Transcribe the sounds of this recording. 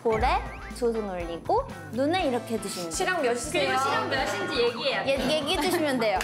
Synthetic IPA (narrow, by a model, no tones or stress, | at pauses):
poɾe | sos̬ʰunoʎːiɡo | nuneiɾʌkʰe̞tɯɕʰimɕʰiɾaŋmjʌɕʰikʰiɾaŋmjʌɕ͈ʰid͡ʑijeɡiɦeaejeɡiɦedɯɕʰimjʌnde̞jo